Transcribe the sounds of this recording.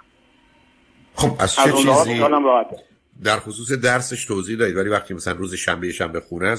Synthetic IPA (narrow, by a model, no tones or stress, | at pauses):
χobæz̥t͡ʃeut͡ʃnːziɒːlæmɾɒhæt̪̚e | d̪æɾxo̞suːs̬ed̪æɾse̞ʃt̪ʰoːziːhd̪ɒːɾiːd̪væliːvæxt̪icmæsælænrɾuːzeʃæmbejeʃæmbe̞xuːnæ